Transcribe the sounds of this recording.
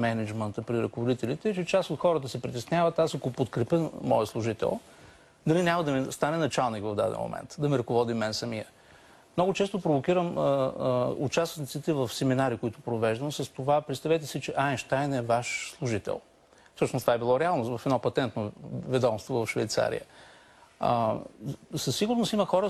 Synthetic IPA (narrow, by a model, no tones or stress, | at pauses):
mɛnɛd͡ʒmənt̪əpɾiɾɐkovod̪it̪ɛlit̪ɛt͡ʃɛt͡ʃasot̪xɔɾət̪əsɛpɾit̪ɛsnʲavət̪asɐkopot̪kɾɛpəmɔ̰jəslˠʊʒit̪ɛ̰lˠ | d̪ɐlinʲaməd̪ɐmɛst̪anɛnɐt͡ʃalˠnikvəvd̪a̰d̪ɛ̰nmo̰mɛ̰nt̪d̪ɐmiɾəkovɔd̪imɛnsɐmiə | mnɔɡʊt͡ʃɛst̪ʊpɾovokʲiɾəməṵt͡ʃasnit̪sit̪ɛvəfsɛminaɾikoit̪ʊpɾovɛʒd̪əmsɐst̪ovapɾɛt̪st̪ɐvɛt̪̬ɛsit͡ʃɛʔaɛnʃt̪ajnɛvaʃslˠuʒit̪ɛ̰lˠ | fsɤʃnost̪ovaɛbilˠɔɾɛalˠnʊsvɐfɛd̪nɔpɐt̪ɛnt̪novɛd̪ɔmst̪vovɐfʃvɛjt̪sa̰ɾḭjə̰ | sɐsːiɡʊɾnosiməxɔɾə